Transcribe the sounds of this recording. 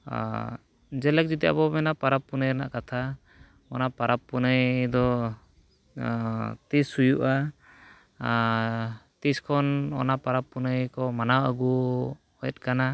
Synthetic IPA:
d͡ʒɛlɛk̚d͡ʒit̪ia̰bɔmɛnapaɾapːunəjna̰ʔkat̪ʰa | ɔnapaɾapːunəjd̪ɔ | t̪isujuʔa | t̪iskʰɔnɔ̰napaɾapːunəjkɔmanawaɡu | ɔjɛt̪̚ˀkana

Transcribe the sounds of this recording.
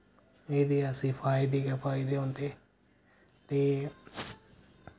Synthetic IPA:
eːd̪iːəsĩːpʰaːid̪iːkɛpʰaːid̪eːɦõːnd̪eː | t̪eː

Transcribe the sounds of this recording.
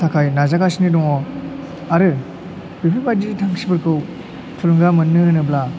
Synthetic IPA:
tʰakʰajnazakasinidɔŋɔ | aɾɯ | bipʰebaditʰaŋsibɯɾkʰɯw | tʰulɯŋɡamɯnːɯɯnɯbla

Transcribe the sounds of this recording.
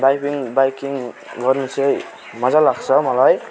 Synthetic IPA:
bajpʰiŋbajkiŋ | ɡʌrnit͡sʰʌj | mʌd͡zalaɡt͡sʰʌmʌlaj

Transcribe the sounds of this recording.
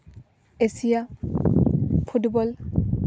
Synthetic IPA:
esija | pʰutbɔl

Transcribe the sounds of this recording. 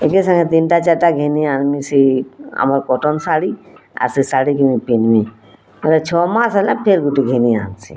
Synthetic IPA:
ekesə̃ŋɡet̪inʈat͡ʃaɾʈaɡʱenianmisia̰maɾkɔʈɔnsaɽia̰ɾsisaɽikimipinmi | ɔɾet͡ʃʰɔmasalapʰeɾɡuʈiɡʱeniansʰḭ

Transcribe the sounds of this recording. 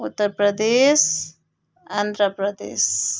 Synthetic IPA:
ut̪ːəɾpɾəd̪es | and̪ʱɾəpɾəd̪ḛs

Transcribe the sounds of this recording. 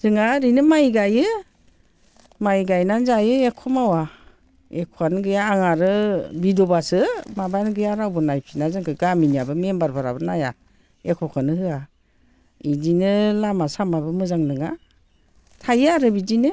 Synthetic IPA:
z̥ɯŋaɾinɯmajɡajɯ | majɡajnanzajɯekʰːɔmawa | ekʰɔanɡɯjaːŋaɾɯbidɔbasɯmabanɡɯjaɾawbɯnajpʰinazɯŋkʰɯɡaminijabɯmembaɾbʰaɾa̰bɯnaja̰ | ekʰɔkʰanɯhɯa | idinɯlamasamabɯmɯzaŋnɯŋa | tʰajaɾɯbidinɯ

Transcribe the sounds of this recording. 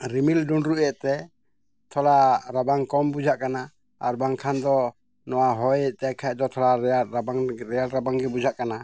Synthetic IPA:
ɾimilɖunɾuʔɛʔt̪ɛ | t̪ʰɔlaɾabaŋkɔmbud͡ʒʱaʔkana | aɾbaŋkʰand̪ɔ | nɔwaɦɔjt̪akʰaʔd̪ɔt̪ʰɔlaabaŋɾɛjalɾabaŋɡɛbud͡ʒʱaʔkana

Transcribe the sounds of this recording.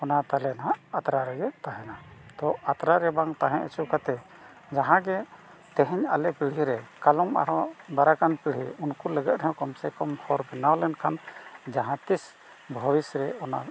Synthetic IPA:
ɔnat̪alɛnɦaʔat̪ɾaɾɛɡɛt̪aɦɛ̃nad̪̥ɔat̪ɾaɾɛbaŋt̪aɦɛ̃ʔɛt͡ʃukat̪ɛ | d͡ʒaɦãɡɛ | t̪ɛɦɛɲa̰lɛpiɽ̤iɾɛkalɔma̰ɾɔb̪aɾakanpiɽ̤ḭunkuləɡɛt̪̚ɾɛjɔ̃kɔmsɛkɔmhʰɔɾbɛnawlɛnkʰand͡ʒaɦãt̪is | bʱɔwisɾɛɔna

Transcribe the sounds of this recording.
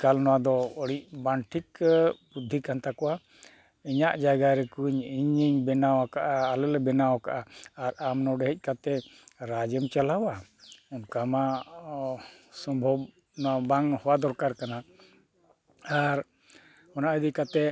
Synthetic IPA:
kalnɔwad̪ɔɔɽic̚banʈʰikbud̪ʱːikant̪akɔwa | iɲaʔd͡ʒaɡaɾɛkuɲiɲiɲbɛnawakaʔaːlɛlɛbɛnawaka̰ʔaːɾamnɔɖɛɦɛc̚ˀkat̪ɛɾad͡ʒɛmt͡ʃalawaɔnkama | sɔmbʱɔb | nɔwabaŋhɔwad̪ɔɾkaɾkana | aɾ | ɔnaʔəd̪ikat̪ɛ

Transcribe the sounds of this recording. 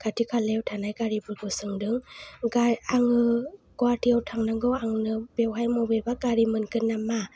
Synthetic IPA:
kʰatʰikʰalewtʰanajɡaɾibɯɾɡɯsɯŋdɯŋɡaaŋɯɡɔatʰiawtʰaŋnaŋɡɯwaŋnɯbewɦajmɔwbebaɡaɾimɯnkɯnːama

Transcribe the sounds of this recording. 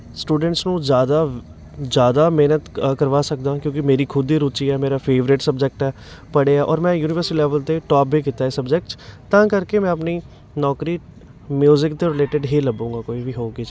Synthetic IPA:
sʈuːɖəɳʈsnũːd͡ʒjaːd̪aː | d͡ʒjaːd̪aːmeːnət̪kəɾʋaːsək̚d̪ãːkjõːkɪmeːɾiːkʰʊd̪iːɾuːt͡ʃiːɛːmeːɾaːpʰeːʋɾɪʈsəbd͡ʒɛk̚ʈɛː | pəɽeːɛːʔɔːɾmɛ̃ːjuːnɪʋəɾsiːlɛːʋəlt̪eːʈɔːpbiːkɪt̪ːaːesəbd͡ʒɛk̚ʈst̪ãːkəɾkemɛ̃ːəpniː | nɔːkɾiː | mjuːzɪkt̪eːɾɪleːʈɪɖɦeːləbũːŋɡaːkoːiːʋiːɦoːɡi

